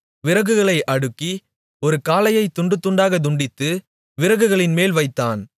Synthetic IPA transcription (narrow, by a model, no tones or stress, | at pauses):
ʋɪɾɐɣɯɣɐɭɐɪʔɐɽɯkːi | ɔɾɯkaːlɐjɐɪt̪ːʊɳɖɯt̪ːʊɳɖaːɣɐd̪ʊɳɖɪt̪ːɯ | ʋɪɾɐɣɯɣɐɭɪnmeːlʋɐɪt̪ːaːn